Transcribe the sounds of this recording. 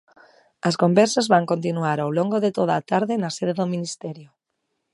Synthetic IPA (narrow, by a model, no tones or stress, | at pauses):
ɐskombɛɾsazβaŋkont̪inuaɾawloŋɡoðet̪oðaːt̪aɾðenaseðeðominist̪ɛɾjo